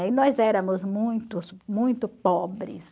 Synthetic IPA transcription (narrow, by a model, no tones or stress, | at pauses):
ɪnɔzɛɾɐ̃mʊzmũj̃t̪ʊsmũj̃t̪ʊpɔbɾɪ̰s